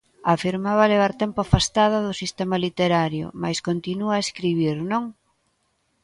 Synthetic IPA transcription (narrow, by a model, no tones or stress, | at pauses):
afiɾmaβaleβ̞aɾt̪ɛmpʊafast̪aðaðʊsist̪ɛmalit̪eɾaɾjʊ̰majskont̪inuaeskɾiβ̞iɾnõŋ